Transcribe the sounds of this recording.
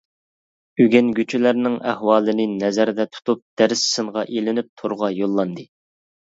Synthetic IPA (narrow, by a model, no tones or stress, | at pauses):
yɡʲɛnɡʲyt͡ʃʰylæɾnɪŋæhwɑːlˠɨnɨnɛzæɾd̪ɛt̪ʰu̥t̪up̚d̪̥ɛɾɪsːɨɴʁɑʔelɪnɪp̚t̪ʰoɾʁɑjolˠːɑnd̪ɨ